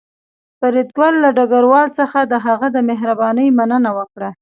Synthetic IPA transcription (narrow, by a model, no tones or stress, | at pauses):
pəɾid̪ɡwalːaɖaɡaɾwɑlt͡səxad̪əɦaɣad̪əmeɦɾabɑnəjmanənawəkɽa